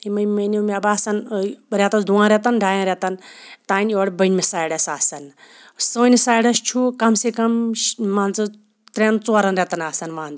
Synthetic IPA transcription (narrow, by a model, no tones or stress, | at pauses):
imɐmɐnoːmeɐbaːsɐnɾʲɛt̪ɐsd̪uãːɾʲet̪ɐnɖʱaːjãɾʲɛt̪ɐnt̪aːnʲjoːɽbɐnʲmesaːjɽɐsaːsɐn | soːnʲisaːjɽɐst͡ʃʰukɐmsekɐmːaːnzɨ | t̪ɾʲent͡soːɾɐnɾʲet̪ɐnaːsɐnmãːnd̪